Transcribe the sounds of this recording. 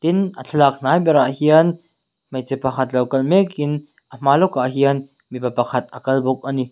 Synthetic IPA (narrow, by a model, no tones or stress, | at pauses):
t̪ɪnʔət͡ɬʰɐlak̚naːjbɛɾaʔhiɐn | mɐjt͡sɛpakʰɐt̪̚lɐwkɐlmɛkɪn | ʔəm̥aːlɔkaʔɦiɐn | mipapakʰɐt̪̚ɐkɐlbɔk̚ani